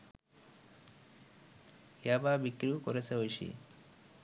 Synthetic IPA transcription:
jababikɾikoɾet͡sʰeojʃḭ

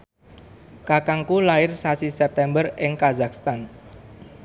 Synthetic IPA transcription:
kakaŋkulaɪrsasisɛp̚t̪ɛmbərɪŋkazakst̪an

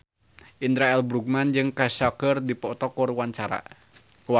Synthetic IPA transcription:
ʔind̪ɾaɛlbɾuk̚mand͡ʒɨŋkasakərdipɔt̪ɔkɔrwaɲt͡ʃaɾa̰ | ka

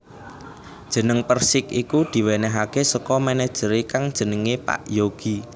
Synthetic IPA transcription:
d̥ʒ̥ə̤nəŋpərsɪkikud̪̥i̤wenɛɦakesəkɔmɛnɛd̥ʒ̥əɾikaŋd̥ʒ̥ə̤nəŋepa̰ʔjoɡ̥i

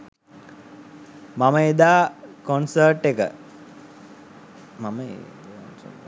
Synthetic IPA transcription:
maməed̪aːkonsəːʈːekə̰ | maməḛ

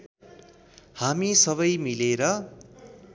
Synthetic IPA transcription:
hamisʌβʌjmileɾʌ

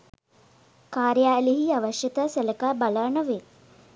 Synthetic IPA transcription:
kaːɾjaːliɦiaʋɐʃjɐt̪asɐlɐkaːbɐlaːɳɐʋe

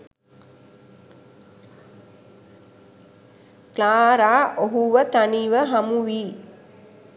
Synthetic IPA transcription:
klaːɾaːʔoɦuʋət̪aniʋəɦamuʋiː

